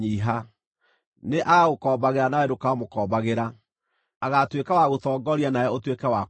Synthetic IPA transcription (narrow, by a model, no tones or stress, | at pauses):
iɦa | neʔaɣaɣokɔːbaɣeɾanaɛdokamokɔːbaɣeɾa | aɣatwekawaɣotɔːɡɔɾianaɛotwekɛwa